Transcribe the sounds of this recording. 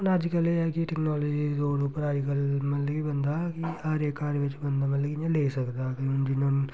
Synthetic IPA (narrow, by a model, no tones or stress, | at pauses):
nɐd͡ʒkɐleakiʈɛknaːloːd͡ʒid̪oːɽuːpəɾaːd͡ʒkəlmɐt̪lɐkibɐ̃nd̪aːkiaːɾjekaːɾjəʋɪt͡ʃbɐ̃nd̪amɐt̪lɐkiɲãleːsɐkd̪aːkind͡ʒɪnon